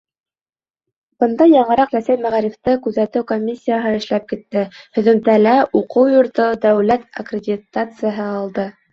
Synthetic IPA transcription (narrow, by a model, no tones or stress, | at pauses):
b̥ɤ̆nd̪ɑjɑɴɤ̆ɾɑqɾæsæt̪mæʁæɾift̪ɤkʉðæt̪ɘwkomʲːisʲːijaɦɤɘ̆ʃlæp̚kit̪ːɘhɵ̆ðɵ̆nt̪ælæuqɤwjŏɾt̪ɤd̪æwlæt̪ɐ̰krʲɪdʲit̪at̪sɨjaɦɤɑlˠd̪ɤ